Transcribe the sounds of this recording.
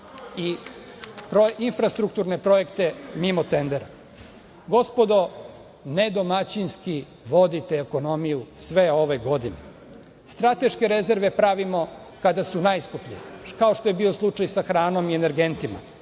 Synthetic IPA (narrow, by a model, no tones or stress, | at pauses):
i | pɾoinfɾast̪ɾuk̚t̪uɾnepɾo̞e̞kt̪e̞mimot̪end̪eɾa | ɡo̞spo̞d̪o̞ | ned̪o̞mat͡ɕinski | ʋo̞d̪it̪eːko̞no̞mijusʋe̞o̞ʋe̞ɡo̞d̪inḛ | st̪ɾat̪e̞ʃke̞ɾe̞ze̞ɾʋe̞pɾaʋimo̞ | kad̪asunaːjskupʎḭjekao̞ʃt̪o̞jebiːo̞slˠut͡ʂajsaxɾaːno̞miene̞ɾɡe̞nt̪ima̰